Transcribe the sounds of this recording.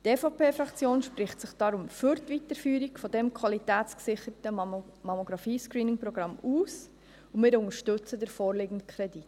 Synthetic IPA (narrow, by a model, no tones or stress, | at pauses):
tɛːfɑpʰeːfɾɑkt͡sjoːnʃprɪχtsɪχd̥ɑɾʊmfyɾtʋitəɾfyːɾikfɔdɛmkʰʋɑlitæːtt͡sksɪχəɾtə | mɑmoɡɾɑfiːskɾiːnɪŋprɔɡ̥ɾɑmuːs | ʊmɪːɾʊŋəɾʃtɵt͡sədəɾfɔːɾlɪːɡn̩tkʰɾɛdit